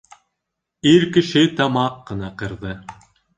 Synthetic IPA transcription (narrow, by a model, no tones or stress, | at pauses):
iɾkɘ̆ʃɘt̪ɑmɑqːɤ̆nɑqɤ̆ɾðɤ